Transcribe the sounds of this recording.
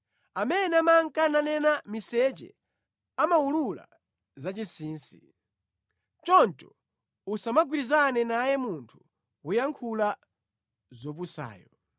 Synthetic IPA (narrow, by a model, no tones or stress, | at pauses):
amɛnɛamaŋkananɛnamisɛt͡ʃɛ̰ | amaulula̰ | zat͡ʃisiːnsḭ | t͡ʃɔnt͡ʃɔ | usamaɡwiɾizanɛnajɛmuntʰu̥ | ujaŋkʰula | zɔp̬usa̰ːjɔ